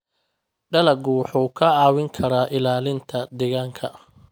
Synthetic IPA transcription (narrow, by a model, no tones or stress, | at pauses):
ɖɐlɐɡʊwħuːkʰɐaːwɪŋkʰɐɾaːʔɪlaːlɪnt̪ʰɐd̪ɛɣaːŋkʰɐ